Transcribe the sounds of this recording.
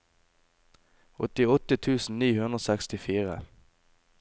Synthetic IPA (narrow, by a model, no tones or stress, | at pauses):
ɔt̪ɪɔt̪ət̪ʰʉːsn̩niːhʉnʁoːsɛkst̪ɪfiːʁə̰